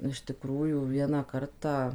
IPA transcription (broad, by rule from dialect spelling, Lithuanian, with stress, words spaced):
ɪʃ tʲɪˈkruːjuː ˈʋʲiɛnɑː ˈkɐrtɑː